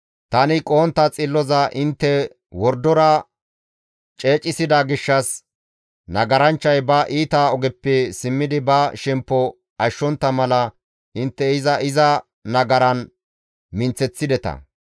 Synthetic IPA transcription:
t̪ɐnɪkʼoːnt̪ːɐt͡sʼɪlːɔzɐʔɪnt̪ːɛ | wɔɾd̪ɔɾɐ | t͡ʃʼe̞ːt͡ʃʼːɪsɪd̪ɐɡɪʃːɐs | nɐɡɐɾɐnt͡ʃːɐjbɐʔiːt̪aːɔɡɛpːɛsɪmːɪd̪ɪbɐʃɛmpːɔ | ʔɐʃːɔnt̪ːɐmɐlɐ | ʔɪnt̪ːɛɪzɐʔɪzɐ | nɐɡɐɾɐn | mɪnt͡sɛt͡sːɪd̪ɛt̪ɐ̰

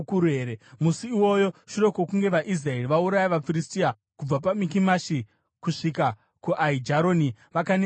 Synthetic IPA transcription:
kuɾueːɾemusiːwo̞jo̞ʃuɾokokuŋɡe̞ʋaʔis̬rae̞riʋauɾajaʋafiristia | kub͡vapamikimaʃi | kuʂika | kuʔaid͡ʒaɾo̞ːniʋakane

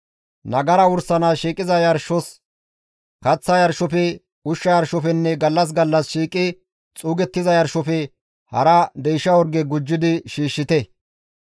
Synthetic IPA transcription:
nɐɡɐɾɐwʊɾsɐnaʃiːkʼɪzɐjɐɾʃɔs | kɐt͡sːɐjɐɾʃɔfɛ | ʊʃːɐjɐɾʃɔfɛnːɛɡɐlːɐs̬ɡɐlːɐsʃiːkʼːɪ | t͡sʼuːɡɛt̪ːɪzɐjɐɾʃɔfɛ | hɐɾɐd̪ɛjʃɐwɔɾɡɛɡʊd͡ʒːɪd̪ɪʃiːʃːɪt̪ɛ

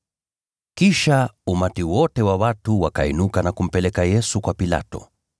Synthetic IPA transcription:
kiʃaumatiwɔtɛwawatuwakaḭnukanakum̩pɛlɛkajɛsukwapila̰tɔ̰

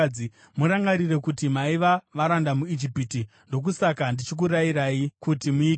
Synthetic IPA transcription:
i | muɾaŋɡaɾire̞kutimaiʋaʋaɾandamuid͡ʒipiti | ndo̞k̬usakandit͡ʃik̬uɾaiɾaikutimui

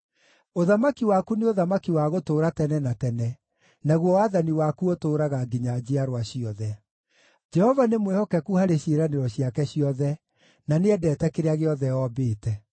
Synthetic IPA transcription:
oðamakiwakuneoðamakiwaɣotoːɾatɛnɛnatɛnɛ | naɣwɔwaðaniwakuotoːɾaɣaɡiɲad͡ʑiaɾwaɕiɔðɛ | d͡ʒɛhɔvanemwehɔkɛkuhaɾeɕeɾaneɾɔɕjakɛɕiɔðɛ | naneɛdɛːtɛkeɾeaɣeɔðɛɔbeːtɛ

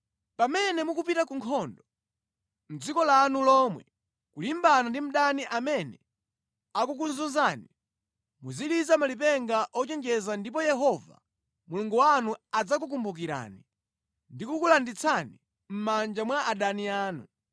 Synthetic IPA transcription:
pamɛnɛmukupitakuŋkʰɔndɔ | m̩d͡zikɔlanulɔmwɛ | kulimbanandim̩ɗaniʔamɛnɛ | akuk̬unzunzani | muziɗizamalip̬ɛŋɡaʔɔt͡ʃɛŋd͡ʒɛzandip̬ɔjɛɦɔva̰ | muluŋɡuwanuad͡zak̬uk̬umbuk̬iɾa̰ni | ndikukulandit͡sʰani | m̩mand͡ʒamwaʔaɗaniaːnṵ

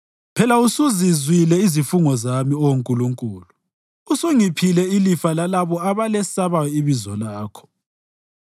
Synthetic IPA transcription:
pʰɛlausuzizwilɛizifuŋɔzamiɔwoŋkʼuluŋkʼṵːlu | usuŋipʰilɛilifalalaβɔaβalɛsaβajɔiβizɔlaːkʰɔ̥

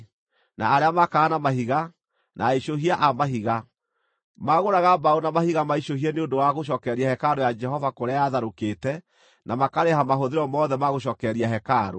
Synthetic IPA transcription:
na̰ːɾeamakaːnamaɦiɣa | nʔaiʃoɦiaʔamaɦiɣa | maɣoɾaɣabaunamahiɣamaiɕoɦiɛneondowaɣoʃ̬ɔːkɛɾiahɛkaɾojad͡ʒɛɦɔvakoɾeajaðaɾokeːtɛ | namakaɾehamaɦoðeɾɔmɔðɛmaɣoʃ̬ɔːkɛɾiaɦɛkaɾo̰

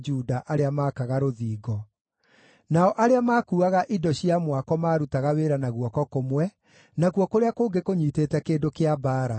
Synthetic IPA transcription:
d͡ʒuːdaʔaɾeamaːkaɣaɾoðiːɡɔ | naɔʔaɾeamaːkuːaɣaʔidɔɕiamwakɔmaːɾutaɣaweːɾanaɣwɔkɔkomwɛ | naɣuɔkoɾeakoːɡekoɲiːteːtɛkeːndokeabaːɾa

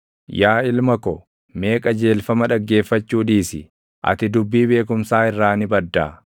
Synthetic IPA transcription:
jaːɪlmɐkɔ | me̞ːkʼɐd͡ʒe̞ːlfɐmɐᶑɐɡːe̞ːfːɐt͡ʃːuːᶑiːsɪ̰ | ʔɐ̰t̪ɪd̪ʊbːiːbe̞ːkʊmsaːɪrːaːnɪbɐd̪ːaː

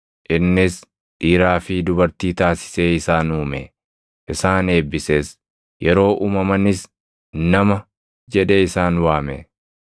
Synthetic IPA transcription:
ʔɪnːɪs | ᶑiːɾaːfɪd̪ʊbɐɾt̪iːt̪aːsɪ̥se̞ːɪsaːnuːmɛ | ʔɪsaːne̞ːbːɪseːs | jʔɛɾo̞ːʔuːmɐmɐnɪs | nɐmɐ | d͡ʒɛᶑeːɪsaːnwaːmḛ

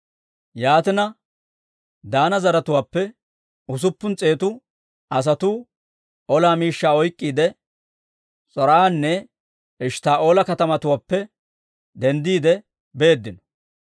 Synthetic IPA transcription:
jaːt̪ɪnɐ | d̪aːnɐzɐɾɐt̪ʊwaːpːɛ | ʊs̬ʊpːʊnt͡sʼe̞ːt̪ʊ | ɐs̬ɐt̪uː | ʔɔlaːmiːʃːaːɔjkʼːiːd̪ɛ | t͡sʼɔɾaːnːɛ | ɪʃt̪aːʔo̞ːlɐkɐt̪ɐmɐt̪ʊwaːpːɛ | d̪ɛnd̪iːd̪ɛ | be̞ːd̪ːɪnɔ̥

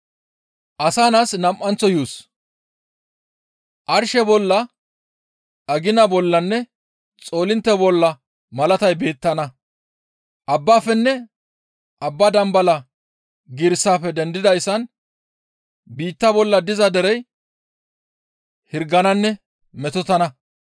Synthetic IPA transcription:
ʔɐsaːnaːsnɐmʔːɐnt͡sːɔjuːs | ʔɐɾʃɛbɔlːɐ | ɐɡɪnɐbɔlːɐnːɛ | t͡sʼo̞ːlɪnt̪ːɛbɔlːɐ | mɐlɐt̪ɐjbe̞ːt̪ːɐnɐ | ʔɐbːaːfɛnːɛ | ʔɐbːɐd̪ɐmbɐlɐ | ɡɪɾsːaːfɛd̪ɛnd̪ɪd̪ɐjsːɐn | biːt̪ːɐbɔlːɐd̪ɪzɐd̪ɛɾɛj | hɪɾɡɐnɐnːɛ | mɛt̪ɔt̪ɐnɐ

